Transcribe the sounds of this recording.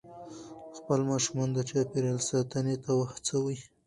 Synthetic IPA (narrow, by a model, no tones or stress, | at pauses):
xpəlmɑʃumɑnd̪ət͡ʃɑpeɾɑlsɑt̪ənet̪awaxt͡səwi